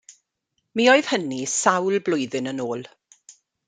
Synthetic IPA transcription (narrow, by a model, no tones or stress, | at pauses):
miːoɨð̥hənisawlblʊjðɨnənoːlˠ